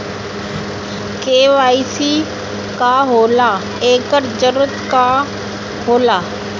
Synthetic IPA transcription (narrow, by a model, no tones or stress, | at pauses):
keːʋaːisi | kaɦoːlaː | eːkəɾd͡ʒəɾət̪ka | ɦoːlaː